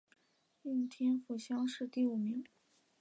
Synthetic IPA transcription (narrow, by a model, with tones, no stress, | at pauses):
i˥˩nt̪ʰjɛ˥nfu˨˩ɕjɑ˥ŋʂɻ̩˥˧t̪i˥˩u˨˩mi˧˥ŋ